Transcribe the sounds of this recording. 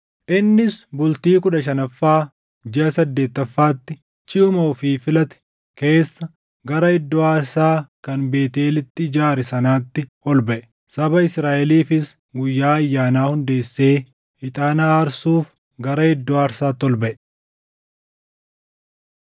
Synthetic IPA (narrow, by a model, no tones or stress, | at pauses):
ʔɪnːɪsbʊlt̪iːkʊᶑɐʃ̬ɐnɐfːaː | d͡ʒɛɐsɐd̪ːe̞ːt̪ːɐfːaːt̪ːɪ | t͡ʃɪʊmoːfiːfɪlɐt̪ɛ̥ | ke̞ːsːɐ | ɡɐɾɐɪd̪ːɔaːɾsaːkɐnbe̞ːt̪eːlɪt̪ːɪːd͡ʒaːɾɛsɐnaːt̪ːɪhɔlbɐʔɛ̥ | sɐbɐɪsɾaːʔɛliːfɪs | ɡʊjːaːɐjːaːnaːhʊnd̪e̞ːsːe̞ː | hɪt̪ʼaːnaːɾsuːf | ɡɐɾɐɪd̪ːɔaːɾsaːt̪ːɔlbɐʔɛ̥